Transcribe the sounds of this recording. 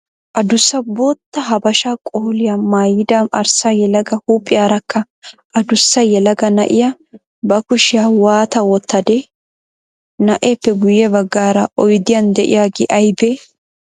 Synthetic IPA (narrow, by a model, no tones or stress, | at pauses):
ʔɐd̪ʊsːɐboːt̪ːɐɦɐbɐʃakʼoːlɪjamaːjɪd̪amɐɾsajɛlɐɡɐhuːpʼːɪjaːɾɐkʰːɐ | ʔɐd̪ʊsːɐjɛlɐɡɐnɐ̰ʔɪja | bɐkʊʃɪjaːwaːt̪ɐwɔt̪ʰːɐd̪ɛ | nɐʔepːɛɡʊjɛbɐɡːaːɾɐʔɔjd̪ɪjɐnd̪ɛʔɪ̰jaːɡɪʔɐjbeː